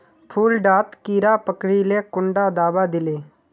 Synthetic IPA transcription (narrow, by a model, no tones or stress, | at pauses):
pʰuːlɖaːt̪kiːɾapəkɽilekʊɳɖad̪aːbad̪ɪleː